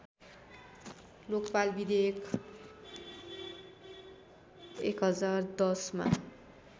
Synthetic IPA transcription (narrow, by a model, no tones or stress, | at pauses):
lokpalbid̪ekʰ | ekɦʌd͡zard̪ʌsma̰